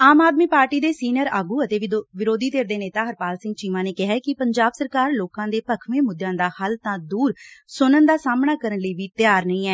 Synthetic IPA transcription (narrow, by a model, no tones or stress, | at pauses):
aːmaːd̪miːpaːɾʈiːd̪eːsiːnəɾaːɡuːət̪eːʋʋɪɾoːd̪iːt̪eːɾd̪eːneːt̪aːɦəɾpaːlsɪ̃ŋɡ̚t͡ʃiːʋãːneːkɪɦɛːkɪpəɲd͡ʒaːbsəɾkaːɾloːkãːd̪eːpəkʰʋẽːmʊd̪jãːd̪aːhəlt̪ãːd̪uːɾsʊnənd̪aːsaːmɳaːkəɾənləiːʋiːt̪jaːɾnəĩːɛː